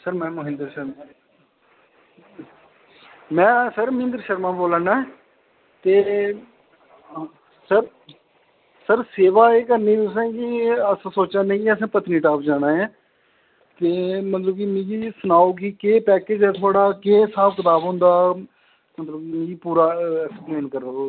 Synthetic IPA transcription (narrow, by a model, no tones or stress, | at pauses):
səɾmɛ̃ːmʊɦɪ̃nd̪əɾʃəɾm | mɛ̃ːsəɾmɪ̃nd̪əɾʃəɾmãːboːlːnɛː | t̪eː | səɾ | səɾseːʋaːeːkəɾnĩːt̪ʊs̬ɛ̃ːkiəssoːt͡ʃaːnəĩəsãːpət̪niːʈaːpʰd͡ʒaːɽ̃ãːjɛ̃ː | t̪eːmət̪ləbkimĩːd͡ʒiːsʊnaːoːkikeːpɛːkeːd͡ʒɛːt̪ʰʊaːɽaːkeːsaːpkət̪aːbɦõːnd̪aː | mət̪ləbm̃ipuːɾaːɛkspleːnkəɾo